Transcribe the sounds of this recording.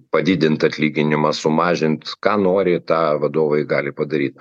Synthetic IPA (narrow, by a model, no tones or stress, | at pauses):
pɐd̪ʲɪd̪ʲɪnt̪ɐt̪ʲlʲiːɡʲɪnʲɪmɑsʊmɑːʒʲɪnt̪kɑːnoːɾʲɪt̪ɑːʋɐd̪oːʋɐɪɡɑːlʲɪpɐd̪ɐɾʲiːt̪̚